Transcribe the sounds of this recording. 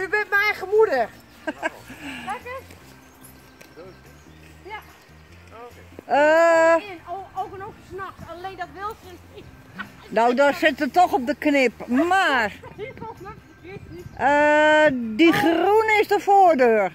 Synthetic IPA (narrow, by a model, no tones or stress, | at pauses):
ybɪntmɛjχəmudə | ə | owkənofəsnɔkleːndɔtʋɪlˠs | nowdɔsɪtətɔxɔp̚dəknɪpmar | ə | diχrunɪsdəfoːdøːr